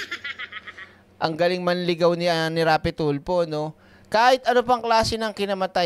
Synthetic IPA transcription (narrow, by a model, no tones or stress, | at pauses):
ʔɐŋɡɐlɪŋmɐnlɪɡɐwnɪnɪɾaːpɪt̪ulpo̞no̞ | kaːhɪt̪ʔɐnop̬ɐŋklaːsɪnɐŋkɪnɐmɐt̪a